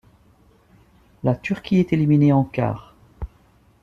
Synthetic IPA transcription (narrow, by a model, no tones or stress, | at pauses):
lat̪yʁkʲiɛt̪elimineɑ̃ka̰ːʁ